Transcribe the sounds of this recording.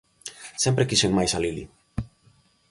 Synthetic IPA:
sɛmpɾekiseŋmajsalilḭ

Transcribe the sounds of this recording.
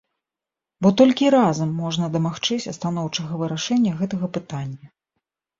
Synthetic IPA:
bɔt̪ɔlʲkʲiɾazɐmːɔʐnɐd̪ɐmaxt͡ʂɨt͡sʲɐst̪anɔwt͡ʂɐɣɐvɨɾaʂɛnʲːɐɣɛt̪ɐɣɐpɨt̪anʲːɐ

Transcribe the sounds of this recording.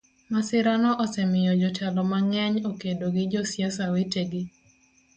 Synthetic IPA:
masɪɾanɔʔɔsɛmɪjɔd͡ʒɔtʰɛlɔmaŋɛɲokedoɡɪd͡ʒɔsjasaweteɡɪ

